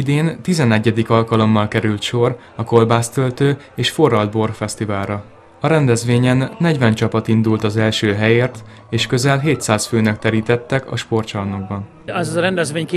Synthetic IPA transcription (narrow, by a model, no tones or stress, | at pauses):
id̪eːnt̪izɛnɛɟːɛd̪ikɒlkɒlo̞mːɒlkɛɾylt̪ʃo̞r | ɒko̞lbaːst̪ølt̪øː | eːʃfo̞rːɒld̪̚bo̞rfɛst̪ivaːlɾɒ | ɒɾɛnd̪ɛzʋeːɲɛnːɛɟvɛnt͡ʃɒpɒt̪ind̪ult̪ɒzɛlʃøːɦɛjeːrt̪ | eːʃkø̞zɛlɦeːt̪saːsføːnɛkt̪ɛɾiːt̪ɛt̪ːɛkɒ̰ʃpo̞rt͡ʃɒrnoɡ̚bɒn | ɛzɾɛnd̪ɛzʋeːɲkː